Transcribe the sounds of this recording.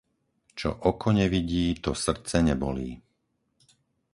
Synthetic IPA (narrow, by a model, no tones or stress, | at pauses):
t͡ʃɔ̰ʔɔkʰɔɲɛʋiɟiːt̪ɔsr̩t͡sɛɲɛbɔliː